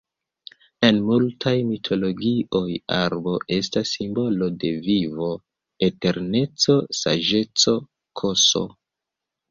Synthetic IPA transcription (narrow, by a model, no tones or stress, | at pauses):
e̞nmultʰajmitʰo̞lo̞ɡiʔo̞ja̰ɾbo̞ʔe̞stasːimbo̞lo̞de̞vivo̞ | ete̞ɾne̞t͡so̞sa̰ʒe̞t͡so̞ | kʰo̞so̞̰